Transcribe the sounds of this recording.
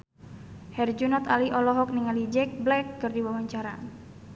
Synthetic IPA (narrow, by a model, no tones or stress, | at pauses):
hɛrd͡ʒunɔt̪aliʔɔlɔɦɔk̚niŋalid͡ʒɛk̚blɛkːɨrdiwawaɲt͡ʃaɾa̰